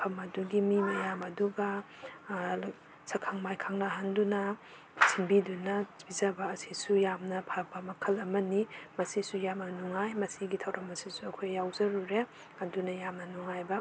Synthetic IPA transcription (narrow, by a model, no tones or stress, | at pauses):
pʰɐmɐduɡimimɐjamɐduɡɐ | sʰɐkʰaŋmajkʰaŋnɐɦandunɐ | siŋbidunɐbizɐbɐːsisujamnɐpʰak̚bɐmɐkʰɐlɐmɐnimɐsisujamnɐnuŋajmɐsiɡitʰɐwɾʔɐmɐsisuɐkʰojːawzɐɾuɾe | ɐndunɐjamnɐnuŋajbɐ